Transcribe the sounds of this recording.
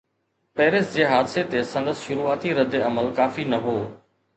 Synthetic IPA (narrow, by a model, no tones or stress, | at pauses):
pɛːɾɪsd͡ʑeːɦaːd̪set̪esɐ̃ŋd̪əsʃʊɾuːaːt̪iɾɐd̪ːeɐməlkaːfinɐɦoː